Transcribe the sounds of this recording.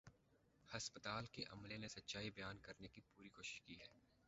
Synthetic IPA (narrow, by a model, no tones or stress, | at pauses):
hɐspət̪aːlkeʔɐ̰mlenesɐtːʃaːibɐjaːnkɐɾnekipuːɾikoːʃɪ̥ʃkiɦɛː